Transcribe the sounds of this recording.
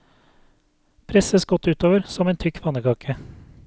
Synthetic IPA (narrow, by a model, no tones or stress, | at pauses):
pʰɾɛsəsɡɔt̪ʉːt̪oːʋəɾsɔmeːnt̪ʰʏkʋɑnəkʰɑːkʰə